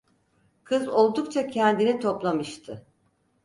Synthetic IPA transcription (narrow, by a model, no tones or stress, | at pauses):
kʰɯzo̞lˠd̪ukt͡ʃʰacʰɛnd̪init̪ʰo̞plˠamɯʃt̪ʰɯ